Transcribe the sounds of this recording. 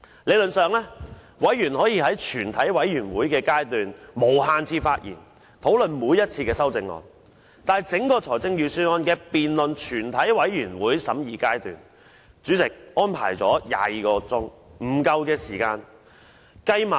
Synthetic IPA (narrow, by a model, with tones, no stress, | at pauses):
le˨˧jlɵ˨nsœː˨˧ŋlɛː˥ | wɐ˨˥jjyː˨˩nhɔː˨˥jiː˧hɐ˨˥jt͡ʃʰyː˨˩nt̪ʰɐ˨˥jwɐ˨˥jjyː˨˩nwuː˨˥jkɛː˧kaː˥jt̪yː˨nmo˨˩wɦaː˧nt͡sʰiː˧faː˧t̚jḭː˨˩n | t̪ʰo˨˥wlɵ˨nmuː˨˧˥jːɐ˥t̚t͡sʰiː˧kɛː˧sɐ˥wt͡sɪ˧ŋlɔ̰ː˨n | t̪aː˨jt͡sɪ˨˥ŋkɔː˧t͡sʰɔː˨˩jt͡sɪ˥ŋjyː˧syː˥nɔː˥nkɛː˧piː˨nlɵ˨nt͡ʃʰyː˨˩nt̪ʰɐ˨˥jwɐ˨˥jɥyː˨˩nwuː˨˥jsɐ˨˥mjiː˨˧kaː˥jt̪y̰ː˨n | t͡syː˨˥t͡sɪ˨k̚ʔɔː˥npʰa̰ː˨˩jt͡sɔ̰ː˨˥ja̰ː˨˧jiː˨˧kɔː˧t͡sʊ˥ŋ | m̩˨˩kɐ˧wkɛː˧siː˨˩kaː˧n | kɐ˧jma˨